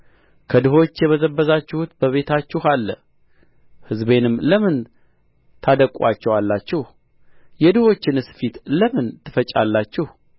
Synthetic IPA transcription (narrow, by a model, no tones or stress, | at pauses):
kʰəd̪ɨɦo̞t͡ʃːjɛməzəbːəzat͡ʃːɪhut̪bəβe̞t̪ʰat͡ʃːɪhalːə̰ | hɨzbe̞nɨmːləmɨn | t̪ʰad̪əkʼat͡ʃːɛwalːat͡ʃːɪh | jɛd̪ɨho̞t͡ʃːɪnɨsfit̪ləmɨnt̪ʰːɨfət͡ʃʼa̰lːat͡ʃːɪh